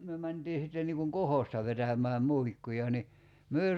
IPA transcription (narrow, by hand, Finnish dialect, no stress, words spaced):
myø mæntiː sitːen niːŋ kuŋ kohostɑ ʋetæmˑæː muikːujɑ ni myø ei